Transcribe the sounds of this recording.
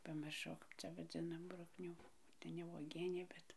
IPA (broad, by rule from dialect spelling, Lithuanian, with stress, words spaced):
pɐmʲɪrˈʃɐʊ ˈkɐp t͡sʲɛ ʋɐˈd͡zʲɪnɐm ˈbrʊknʲuː tɐɪ nʲɛ uɔˈɡʲiɛnʲeː ˈbʲɛt